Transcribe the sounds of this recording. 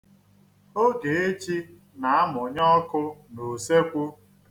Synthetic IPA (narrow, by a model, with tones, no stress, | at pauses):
o˦ɡe˨e˦t͡ʃi˦ | na˨˦a˦mʊ˨ɲɔ˦kʊ˦no˨se˦kʷu˦